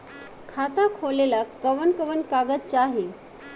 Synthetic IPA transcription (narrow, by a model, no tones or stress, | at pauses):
kʰat̪akʰolelakkəʋənkəʋənkaɡətt͡ɕaɦe